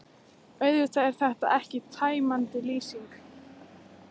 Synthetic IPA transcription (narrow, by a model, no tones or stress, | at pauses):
œɥðʏt̪aɛɾ̥θɛht̪a̰ʔɛhcɪt̪ʰaːjmant̪ɪliːsiŋk